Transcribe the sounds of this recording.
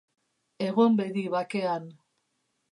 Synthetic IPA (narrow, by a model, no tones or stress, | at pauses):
e̞ɣombeðiβake̞an